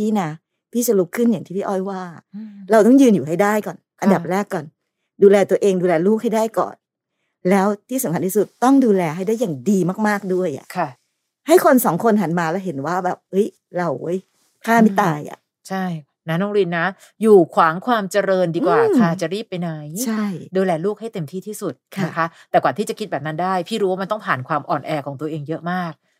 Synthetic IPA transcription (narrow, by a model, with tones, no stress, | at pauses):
t̪ʰiː˥˩na˦˥ | t̪ʰiː˥˩t͡ɕa˧˩lu˦˥kʰːɯ˥˩nja˨˩ŋt̪ʰiː˥˩iː˥˩ʔɔ˥˩jwaː˥˩a˨˩ɾa˧wt̪ɔ˥˩ŋjɯː˧njuː˨˩ɦa˥˩jdaː˥˩jkɔː˨˩nʔa˧nda˨˩p̚ɾɛː˥˩kːɔː˨˩n | duː˧lɛː˧t̪u˧ɐʔeː˧ŋduː˧lɛː˧luː˥˩k̚ha˥˩jdaː˥˩jkɔ̰ː˨˩n | lɛː˦˥wt̪ʰiː˥˩sa˨˦kʰa˧˦nt̪ʰiː˥˩su˨˩t̪ːɔ˥˩ŋduː˧lɛː˧ɦa˥˩jdaː˥˩jːaː˨˩ŋdiː˧maː˥˩k̚maː˥˩k̚du˥˩əjʔa̰˨˩ʔkʰa˧˩ | ha˥˩jkʰo˧nsɔː˩˦ŋkʰo˧nɦa˩˦nmaː˧lɛː˦˥wɦe˩˦nwaː˥˩bɛː˨˩p̚ʔɤ˦˥j | ɾa˧wʔɤ˦˥j | kʰaː˥˩ma˦˥˩t̪aː˧jʔa̰˨˩ | t͡ɕʰa˥˩j | na˦˥nɔː˦˥ŋɾi˧nːa˦˥ | juː˨˩kʰwaː˩˦ŋkʰwaː˧mt͡ɕa˧ɾɤː˧ndiː˧waː˨˩kʰaː˧t͡ɕa˨˩ɾiː˥˩pːa˧jna˨˦jt͡ɕʰa˥˩jduː˧lɛː˧luː˥˩k̚ha˥˩jt̪e˧mt̪ʰiː˥˩t̪ʰiː˥˩su˨˩t̪̚kʰna˦˥˩kʰa˦˥t̪ɛː˨˩kwaː˨˩t̪ʰiː˥˩t͡ɕa˨˩kʰi˦˥bɛː˨˩p̚na˦˥ndaː˥˩jpʰiː˥˩ɾuː˦waː˥˩a˧nt̪ɔ˥˩ŋpʰaː˨˩nkʰwaː˧mʔɔː˨˩nʔɛː˧kʰɔː˩˦ŋt̪u˧ɐʔeː˧ŋjɤ˦˥ʔmaː˥˩k̚